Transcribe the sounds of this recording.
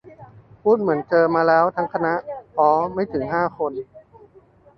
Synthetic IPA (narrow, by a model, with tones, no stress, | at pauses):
pʰuː˥˩t̪̚mɯ˩˦ənt͡ɕɤː˧maː˧lɛː˦˥wt̪ʰa˦˥ŋkʰa˧na˦˥ʔpʰɔː˦˥ma˥˩jt̪ʰɯ˩˦ŋɦaː˥˩kʰo˧n